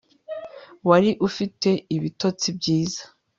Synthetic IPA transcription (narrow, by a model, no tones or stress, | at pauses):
waɾiʔufite̞iβito̞t͡sibɟiːzḁ